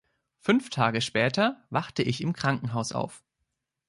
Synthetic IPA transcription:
fʏnftʰaːɡəʃpɛːtɐvaχtəʔɪçɪmkʁ̥aŋkŋ̩ɦaʊsa̰ʊf

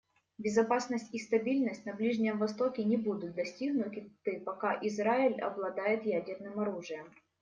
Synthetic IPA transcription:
bʲɪzɐpasnəsʲtʲist̪ɐbʲilʲnəsʲtʲnɐblʲiʐnʲɪjəmvɐst̪o̞kʲɪnʲɪbud̪ʊt̪̚d̪ɐsʲtʲiɡnʊt̪ʲɪt̪ɨpɐkaʔɪzɾaɪlʲɐ̰blˠɐd̪ajɪt̪jædʲɪrnɨmɐɾuʐɨjəm

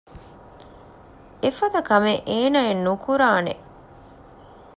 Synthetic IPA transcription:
efɐd̪ɐkɐmeʔeːnaːenːukuɾaːnḛ

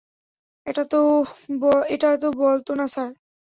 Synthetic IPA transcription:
eʈat̪oboeʈat̪obolt̪onasaɾ

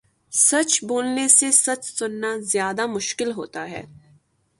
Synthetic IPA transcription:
sɐt͡ʃboːlnesesɐt͡ʃsʊnːazjaːd̪amʊʃkɪlɦoːt̪aɦɛ̰ː

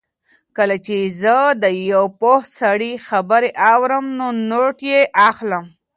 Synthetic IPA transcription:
kəlat͡ʃezəd̪əjawpohsaɽixabəɾeʔawɾəmnonoʈjeʔaxləm

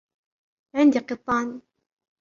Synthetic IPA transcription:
ʕɪnd̪iqɨt̪ˤːɑːn

